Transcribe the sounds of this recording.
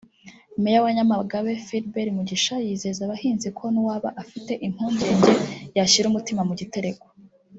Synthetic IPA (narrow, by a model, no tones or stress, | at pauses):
mejawaɲamaɡaβe̞fidbeɾimuɟiʃajiːze̞zaβahiːnzikʰo̞niwaːβaʔafite̞ʔim̥huːɲɟe̞ːɲɟejaʃiɾumutimamuɟite̞ɾe̞ko